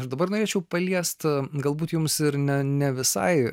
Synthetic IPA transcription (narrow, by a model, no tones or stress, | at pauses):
ɐʃd̪ɐbɐrnoːɾeːt͡ʃʲɛʊpɐlʲiɛst̪ɡɐlˠbuːt̪jʊmsɪɾnʲɛnʲɛʋʲɪsɐ̰ɪ